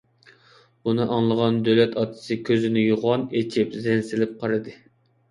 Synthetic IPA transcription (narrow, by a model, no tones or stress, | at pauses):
b̥unɨʔɑŋlˠəʁɑnd̪ølɛt̪ʰɑt̪ʰɨ̥sɨkʲʰøzɪnɪjuʁɑnet͡ʃʰipzɛnsɪlɪp̚qʰɑɾɨd̪ɨ